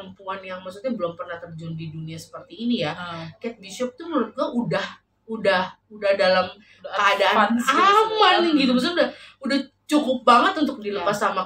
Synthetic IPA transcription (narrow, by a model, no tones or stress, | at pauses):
əmpuanjaŋmaksut̪̚ɲabəlɔmpərnaht̪ərd͡ʒɔndiduniasə̥pərt̪iːnijakɛt̪̚biʃɔp̚t̪uməɾʊt̪̚ɡuaʔudah | udahudahdalam | kəadaanamanɡit̪umaks̬ut̪udahudah | t͡ʃukʊp̚baŋət̪unt̪ʊk̚diləpasama